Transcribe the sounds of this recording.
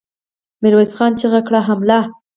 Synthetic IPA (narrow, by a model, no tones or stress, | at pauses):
mɪɾwesxɑnt͡ʃeɣakɽaɦamla